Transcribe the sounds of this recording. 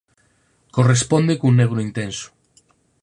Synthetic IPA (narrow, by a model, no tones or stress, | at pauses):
korespond̪ekunːeɣɾoint̪enso̥